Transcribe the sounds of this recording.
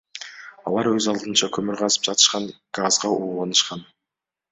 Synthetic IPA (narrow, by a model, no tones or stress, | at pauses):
ɑ̰lˠɑɾɵzɑlˠd̪ɯnt͡ʃɑkʰɵmyɾʁɑzɯ̥p̚d͡ʒɑt̪ʰɯ̥ʃqɑŋɡ̥azʁɑuːʁɑnɯʃqɑn